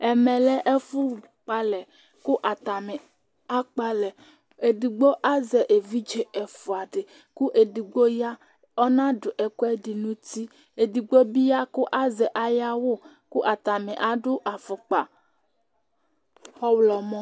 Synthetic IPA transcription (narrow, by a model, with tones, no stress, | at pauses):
ɛ˨mɛ̃˨lɛ˦ʔe˦fu˦˨ | k͡pa˦lɛ˨ | ku˦ʔa˨t̪a˨mɛ˨ | a˦k͡pa˦lɛ˨ | e˨di˨ɡ͡bo˦ʔa˦zɛ˨ʔe˨vi˦d͡ʒe˨ɛ˨fo˨a˨ɖe˨ | ku˦ʔe˨di˨ɡ͡bo˦ja˦ | ɔ˦nã˦ɖʊ˨ʔɛ˨ku˦ɛ˦ɖi˨nũ˦t̪i˦ | e˨di˨ɡ͡bo˦bi˦ja˦ku˦ʔa˦zɛ˨ʔa˦ja˦wo˦ | ku˦ʔa˨t̪a˨mɛ˨ʔa˨ɖʊ˦ʔa˨fʊ˨k͡pa˨ | xɔ˦wlɔ˨mɔ̃˦